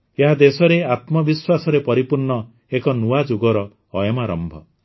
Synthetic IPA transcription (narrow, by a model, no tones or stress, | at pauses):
eɦad̪esɔɾeat̪mɔbiswasɔɾepɔɾipuɾnɔ | ekɔnuad͡ʒuɡɔɾɔː | jɔmaɾɔmbʱɔ